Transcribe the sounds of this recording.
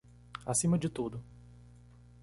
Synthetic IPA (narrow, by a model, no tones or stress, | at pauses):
a̰sĩmɐd͡ʒɪt̪ud̪ʊ